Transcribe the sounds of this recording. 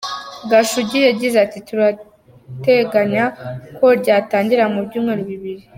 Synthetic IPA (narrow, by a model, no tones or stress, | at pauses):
ɡaʃuɟijaɟizatituɾa | te̞ɡaɲako̞ɾɟaːtaːɲɟiɾamubɟuːmŋeɾoβiβiɾi